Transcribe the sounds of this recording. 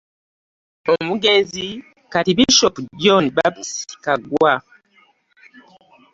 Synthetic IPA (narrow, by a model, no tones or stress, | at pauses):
omuɡeːnzi | katiβiʃopuɟoniβaβisi̥i̥kaɡwa